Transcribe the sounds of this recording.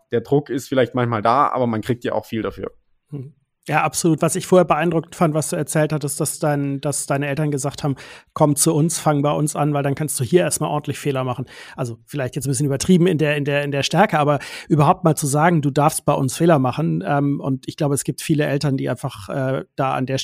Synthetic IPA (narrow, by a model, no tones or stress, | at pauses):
d̥eːɐdʁʊkɪstfɪlaɪçtmançmaːlda̰ːʔa̰ːbɐmankʁ̥iːk̚tja̰ːʔaʊxfiːlda̰fy̰ːɐ | jaːʔapz̥oluːtv̥asɪçfoːɐheːɐbəʔaɪndʁʊk̩tfantv̥asd̥uːɛɐt͡sɛːlthatɪsd̥asd̥aɪnd̥asd̥aɪnəʔɛltɐnɡəzaːkthaːbm̩kʰɔmt͡suʊnsfaŋənbaɪʔʊnsʔa̰nvaɪldankʰanst̚d̥uːhiːɐʔeːɐstmaːlʔɔɐntʰlɪçfeːlɐmaχn̩ʔalzofɪlaɪçtjɛt͡sn̩bɪsçənyːbɐtʁ̥iːbm̩ɪndeːɐɪndeːɐɪndeːɐʃtɛɐkəʔaːbɐʔyːbɐɦaʊp̚tmaːlt͡suzaːɡŋ̩duːdaɐfst̚b̥aɪʔʊ̰nsfeːlɐmaχn̩ʔɛːmʊ̰ntɪçɡ̥laʊbəɛsɡ̥iːp̚tfiːləʔɛltɐndiːʔaɪnfaχʔɛ̰ːd̥aːa̰ndeːɐ